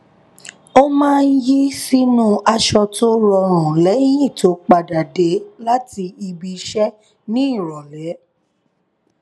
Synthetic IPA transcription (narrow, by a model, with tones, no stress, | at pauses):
o˦mãː˦˧n̩˦ji˦si˦nũ˦a˧ʃɔ˧to˦ɾɔ˧ɾ̃ɔ̃˨lɛ˨˦j̃ĩ˦˨to˨˦k͡pa˧da˨de˨˦la˦ti˧i˧bi˧ʃɛ˦ | nĩ˦i˦˨ɾɔ˨lɛ˨˦